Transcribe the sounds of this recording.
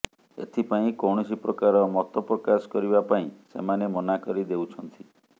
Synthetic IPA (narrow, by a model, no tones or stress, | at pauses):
ḛt̪ʰipaĩkɔwɽ̃ɔsipɾɔkaɾɔmɔt̪ɔpɾɔkasɔ̥kɔɾibapaĩsḛmanemɔnakɔɾid̪ewt͡ʃʰɔnt̪ʰi